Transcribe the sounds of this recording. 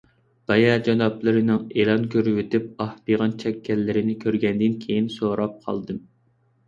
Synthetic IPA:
b̥ɑjɑd͡ʒɑnɑplˠɨɾɨnɪŋelˠɑnkʲʰøɾwet̪ɪp̚ɑhbiʁɑnt͡ʃʰɛkʲːɛlːɪɾɪnɪkʲʰøɾɡʲɛnd̪ɪnkʲʰejinsoɾɑp̚qʰɑ̰lˠd̪ɨm

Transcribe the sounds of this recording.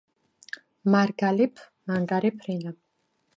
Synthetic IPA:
maɾɡalipʰ | maŋɡaɾipʰɾinap

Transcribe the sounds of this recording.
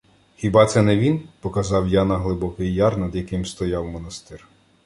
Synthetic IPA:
xʲibɑt̪sɛnɛʋʲinpɔkɐzɑwjanɐɦlˠɪbɔkɪjːɑrnɐd̪jɐkɪmst̪ɔjɑwmɔnɐst̪ɪr

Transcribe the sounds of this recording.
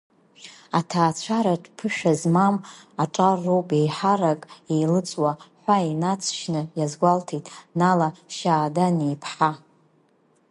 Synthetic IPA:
atʰaːt͡ɕʷʰaɾaʈ͡ʂʰʼpʰɨʃᶣazmamaʈ͡ʂʼarːowpʼe̞jħaɾakʼejlɨt͡sʷʼwaħʷainat͡sʷʼʰʃnɨjazɡʷaltʰetʼnalaʃaːdanejpʰħa

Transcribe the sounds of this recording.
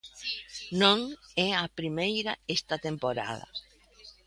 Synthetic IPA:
nõŋɛapɾimejɾaest̪ɐt̪empoɾa̰ðɐ̰

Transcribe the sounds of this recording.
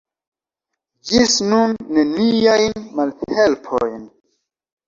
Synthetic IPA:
d͡ʒisnunːeniajnmalhelpʰo̰jn

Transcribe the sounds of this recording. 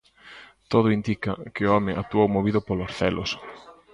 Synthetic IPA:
t̪oð̞ʊind̪ikɐkɪʊɔmɪʔa̰t̪uawmoβiðʊpolosθɛlʔo̰s

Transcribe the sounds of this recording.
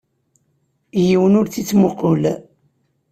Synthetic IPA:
jiwənʊɾt͡sit͡sːmoqoʊl

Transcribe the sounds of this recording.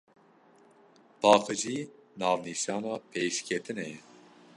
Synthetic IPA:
b̥ɑːqɨʒiːnɑːvniʃɑːnɑːpʰeːʃkʲʰɛt̪ʰɨnɛjɛ

